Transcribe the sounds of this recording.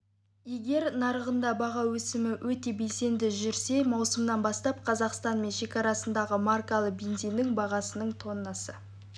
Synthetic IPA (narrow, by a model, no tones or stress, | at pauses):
je̞ɡʲe̞ɾnɑɾəʁənd̪ɑbɑʁɑwɵsɪmɪwʔɵt̪e̞be̞lse̞nd̪ɪʒʏɾse̞mɑwsəmnɑnbɑst̪ɑp̚qʰɑzɑqst̪ɑnme̞nʃe̞kʲɑɾɑsənd̪ɑʁəmarkalˠəbe̞nzijnːɪŋbɑʁɑsənəɴt̪ʰo̞nːɑsə